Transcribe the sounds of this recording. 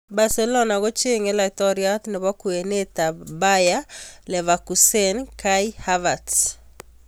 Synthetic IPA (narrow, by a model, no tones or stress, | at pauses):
basɛlɔnaɣot͡ʃeŋɛlatɔɾiat̪nɪβakuenet̪abajalɛvakusenkajhavad